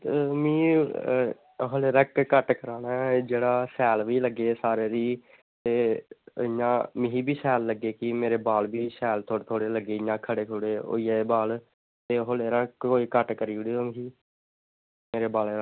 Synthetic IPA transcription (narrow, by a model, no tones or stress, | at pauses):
mĩː | ɦoːleːɾəkkəʈkəɾãːnɛːd͡ʒeːɽaːsɛːlʋiːləɡeːsaːɾeːɾiː | t̪eːɪjãːmɪɦiːbiːsɛːlːəɡeːkɪmeːɾeːbaːlbiːsɛːlt̪ʰoːɽt̪ʰoːɽeːləɡeːɪjãːkʰəɽeːkʰʊɽeːo̰ːiːaːbaːl | t̪eːɦoleːɾəkkoːiːkəʈkəɾiːɽiːoːmɦiː | meːɾeːbaːleːɾa